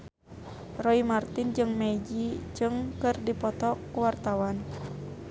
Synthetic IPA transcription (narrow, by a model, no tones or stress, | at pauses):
rɔimart̪ind͡ʒɨŋmɛd͡ʒid͡ʒɨŋkɨrdipɔt̪ɔkuwart̪awan